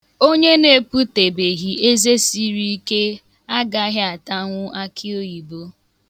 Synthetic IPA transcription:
o˦ɲe˦ne˨pu˦te˨be˨ɣi˨e˦ze˦si˦ɾi˦i˦ke˦ | a˦ɡa˦ɦɪ˦a˨ta˦ŋʷʊ˦a˦kʰɪ˦o˦i˨bo˦

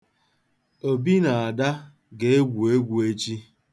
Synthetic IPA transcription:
o˨bi˦na˨a˨da˦ | ɡe˨e˦ɡʷu˨e˦ɡʷu˨e˦t͡ʃi˦

